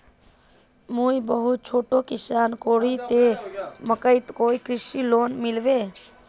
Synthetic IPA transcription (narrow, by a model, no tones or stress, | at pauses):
mujbəɦut̪̚t͡ʃʰoːʈokisaːnkoːɽ̤it̪eməkəɪt̪koːikɾisiloːnmilbe